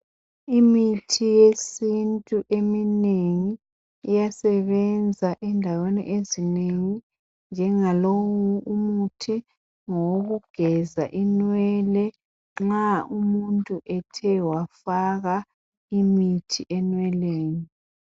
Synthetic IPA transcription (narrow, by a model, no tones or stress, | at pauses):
imitʰijesintʼuʔemineŋiː | jasɛβɛnd͡zʱaʔɛndʱawenḭʔezineŋi | nd͡ʒʱɛŋalowuʔumutʰi | ŋɔoɣuɡ̥ʱɛzaʔinwɛlɛ | ŋ͡ǁŋ͡ǁaumuntʼuʔɛtʰɛwafaɣa | imitʰiʔɛnwɛleːni